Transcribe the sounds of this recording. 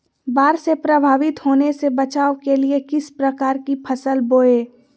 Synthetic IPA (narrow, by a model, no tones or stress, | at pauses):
baːɾsepɾəbʱaːʋɪt̪ɦoːnesebət͡ʃaːʋkeliekɪspɾəkaːɾkipʰəsəlboːeː